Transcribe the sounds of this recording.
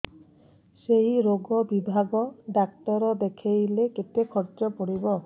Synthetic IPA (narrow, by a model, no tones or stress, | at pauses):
seɦiɾoɡɔbibʱaɡɔɖak̚ʈɔɾɔd̪ekʰejleket̪ekʰɔɾt͡ʃɔpoɽibɔ